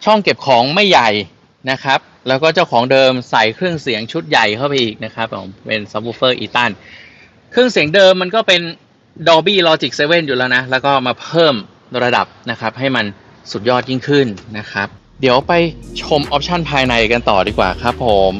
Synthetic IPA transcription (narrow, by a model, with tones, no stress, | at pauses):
t͡ɕʰɔ˥˩ŋke˨˩p̚kʰɔː˩˦ŋma˥˩jːa˨˩j | na˦˥kʰɾa˦˥p̚lɛː˦˥wkɔː˥˩t͡ɕa˥˩wkʰɔː˩˦ŋdɤː˧msa˨˩jkʰɾɯ˥˩əŋsi˨˩˦əŋt͡ɕʰu˦˥t̪̚ja˨˩jkʰa˥˩wpa˧jʔiː˨˩k̚na˦˥kʰɾa˦˥p̚ːo̰˨˩˦mpe˧nsa˧˦˥p̚oː˧˥fɤː˥˩ʔiː˧t̪a˥˩n | kʰɾɯ˥˩əŋsi˩˦əŋdɤː˧mːa˧nkɔː˥˩pe˧n | dɔː˧biː˥˩lɔː˧t͡ɕi˨˩k̚seː˧we˥˩njuː˨˩lɛː˦˥wna˦˥lɛː˦˥wkɔː˥˩maː˧pʰɤː˥˩m | ɾa˧da̰˨˩p̚na˦˥kʰa˦˥p̚ɦa˥˩jma˧n | su˨˩jɔː˥˩t̪̚ji˥˩ŋkʰɯ˥˩nːa˦˥kʰɾa˦˥p̚ | di˩˦əwpa˧jt͡ɕʰo˧mʔɔː˦˥p̚t͡ɕʰa˥˩npʰaː˧jna˧jka˧nt̪ɔ̰ː˨˩diː˧kwa̰ː˨˩kʰa˦˥pʰːo˩˦m